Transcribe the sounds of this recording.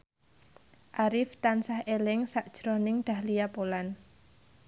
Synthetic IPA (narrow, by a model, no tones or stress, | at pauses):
ʔaɾɪft̪ansahelɪŋsaʔd̥ʒ̥ɾɔnɪŋɖ̪̥a̤hlijapolan